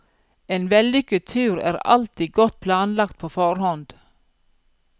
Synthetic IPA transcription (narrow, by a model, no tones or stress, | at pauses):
eːnʋɛlʏkət̪ʰʉːɾæ̰ːɾɑ̰lt̪iːɡɔt̪̚pʰlɑːnlɑkt̪̚pʰoːfɔɾhɔnd̪̥